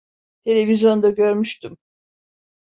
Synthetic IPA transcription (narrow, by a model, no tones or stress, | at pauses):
t̪ʰe̞lʲe̞vizjo̞nd̪aɟø̞ɾmyʃt̪ym